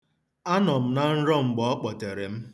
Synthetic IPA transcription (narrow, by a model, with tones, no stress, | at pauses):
a˦nɔ˨m̩˦na˨n̩˦ɾɔ˦ŋ͡m̩˨ɡ͡bɔ˦ɔ˦k͡pɔ˨te˨ɾe˨m̩˦